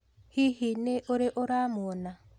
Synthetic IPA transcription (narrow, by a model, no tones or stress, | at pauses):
hihineʔoɾeʔoɾamuɔna